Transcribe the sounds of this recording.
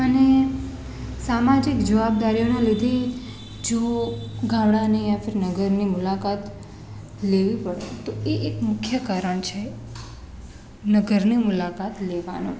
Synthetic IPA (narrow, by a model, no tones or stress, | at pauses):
əne | samad͡ʒikd͡ʒəʋab̚d̪aɾijonalid̪ʱe | d͡ʒoɡʱãʋɽaneãfəɾinəɡəɾnimʊlakat̪ | leʋipəɽḛt̪oeʔːkmʊkʰjəkaɾəɳt͡ʃʰe | nəɡəɾnimʊlakat̪leʋa̰nṵ̃